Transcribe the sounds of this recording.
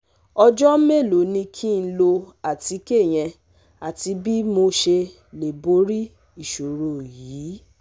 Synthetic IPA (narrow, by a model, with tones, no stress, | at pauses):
ɔ˧d͡ʒɔ˦me˦˨lo˨˦nĩ˧kʰi˦n̩˦lo˧a˨ti˨˦ke˦˨j̃ɛ̃˧ | a˨ti˧˦bi˦mo˧ʃe˧ | le˨bo˨˦ɾi˦ | i˦˨ʃo˨ɾo˨jiː˨˦